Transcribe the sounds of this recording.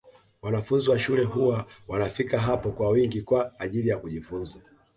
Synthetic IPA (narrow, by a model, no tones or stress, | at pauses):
wanafunziwaʃulɛɦuwawanafikaɦapɔkwawiŋɡikwaːʄilijakuʄifunza